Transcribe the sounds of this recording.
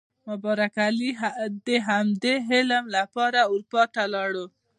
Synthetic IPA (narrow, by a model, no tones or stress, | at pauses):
mʊbɑɾakaliɦad̪eɦamd̪eɦɪləmlapɑɾauɾpɑt̪alɑɽo